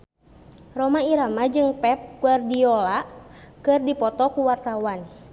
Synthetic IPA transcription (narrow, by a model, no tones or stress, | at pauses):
rɔmaiɾamad͡ʒɨŋpɛp̚kuardiɔlakɨrdipɔt̪ɔkuwart̪awan